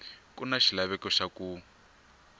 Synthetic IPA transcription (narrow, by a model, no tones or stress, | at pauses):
kunaʃilaβɛkɔʃaku